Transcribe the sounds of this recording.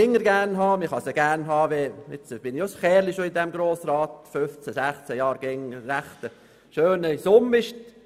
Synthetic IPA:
ɪŋːəɾɡæɾnɦɑːmɪχɑsəɡ̥æɾnɦɑːʋɛjɛt͡sb̥ɪnɪjosχɛːɾliʃoɪndɛmɡɾoːsrɑːtføft͡sɛsæχt͡sɛjɑːɾɡ̥ɪŋəræχt̪ə | ʃøːnəsʊmɪʃt

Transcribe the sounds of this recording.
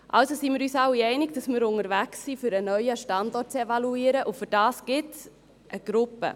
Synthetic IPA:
ʔɑ̰lsosimɪːɾyːsɑwiɛɪnɪɡd̥ɑsmɪːɾʊŋəɾvæksːifyɾənœʏəʃtɑndɔrt̚t͡sevɑluiːɾəʔʊfʏɾd̥ɑːsɡ̥ɪts | ʔəɡ̥ɾʊpːə̰

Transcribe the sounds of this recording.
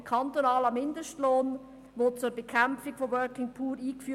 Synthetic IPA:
kʰɑnt̪onɑːləmɪndəʃtloːn | ʋot͡sʊɾbekʰamfɪɡ̥foʋœɹkɪŋpʰuːɾiːkfyː

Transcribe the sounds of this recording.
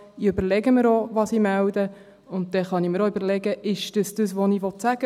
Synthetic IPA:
iøbəɾlɛɡəməɾɔʋɑsimældə | ʊnt̚dɛχɑniməɾɔybəɾlɛɡəʔɪʃd̥əsd̥əsʋoniʋɔtsæɡ̥ə

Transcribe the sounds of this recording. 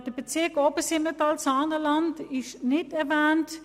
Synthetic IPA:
d̥əb̥et͡sɪɐkoːbəsɪnətɑlsɑːnəlɑntɪʃnɪtɛɐvɛːnt

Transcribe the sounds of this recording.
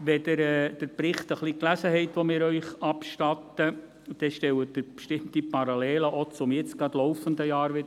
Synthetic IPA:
ʋɛdəɾɛːd̥əɾpɾɪχt̪əχliklæsəhɛɪtʋɔmɪːɾœʏχɑpʃtɑt̪ːə | ud̥ɛʃtɛwəd̥əpʃtɪmtipʰɑɾɑlɛːləʔot͡sʊmjɪt͡sɡɑdlɔwfənd̪əjɑːɾʋɪd

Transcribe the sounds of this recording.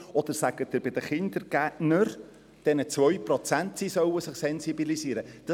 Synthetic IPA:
ɔd̪əɾsæɡ̥ətːɪɾbɪd̥̪əχɪnd̪̥əɾɡ̥ætnəɾ | d̥ɛnət͡svœʏprɔt͡sæntsisœwəsɪχsɛnsibilisiːɾəd̥ɑ

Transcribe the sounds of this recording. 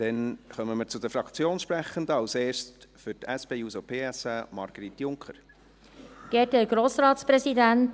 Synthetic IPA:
d̥ɛnχœməməɾt͡sud̪əɾfɾɑkt͡sjoːnʃpɾæχəndəɑlseːɾstfʏtɛsb̥eːuːsopʰeːɛsəmɑ̰ɾɡ̥əɾit̪jʊŋkχəɾ | ɡ̥ɛːdəɡ̥ɾoːsɾɑːt̪spɾɛsidænt

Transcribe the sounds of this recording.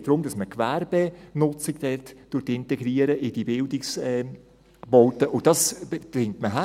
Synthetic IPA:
d̥ɾʊmdɑsməkʋærb̥enʊt͡sɪɡd̥ɛtd̥ʊɾtɪntɛɡɾiːəɾəʔɪd̥ibɪldɪksɛ | bɔlt̪əʔʊdɑsd̥ɪŋtməɦa

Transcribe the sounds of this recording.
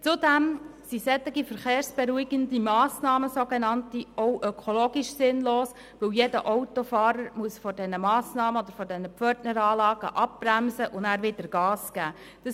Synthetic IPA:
t͡sʊdɛmsisɛt̪ːɪɡifəɾχeːɾsb̥eɾuiɡəndimɑːsnɑːməsoɡenɑntiɔwʔœkʰoloːɡiʃsɪnloːs | ʋɵwjedəʔɔʊtofɑːɾəɾmuəsfɔdɛnəmɑːsnɑːməɔd̥̪əɾfɔdɛnəpfœrtnəɾɑːlɑːɡəʔɑp̚b̥ɾæmsəʔʊndæːɾʋɪdəɾɡ̥ɑːsɡ̥æː | d̥ɑ

